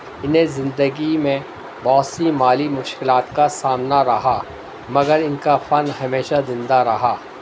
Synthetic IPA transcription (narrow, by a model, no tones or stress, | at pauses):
ɪnɦẽzɪ̃nd̪əɡimẽ | bɔːsimaːlimʊʃkɪlaːt̪kasaːmnaɾɐɦaː | mɐɡəɾɪnkafɐnhɐmeːʃazɪ̃nd̪aɾɐɦaː